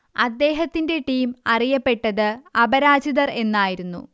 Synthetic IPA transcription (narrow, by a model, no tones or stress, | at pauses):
ɐd̪ːe̞ːɦɐt̪ːinde̞ʈiːmɐrijɐpːe̞ʈːɐðɨɐbɐɾaːd͡ʑiðɐre̞nːaːjiɾunːṵ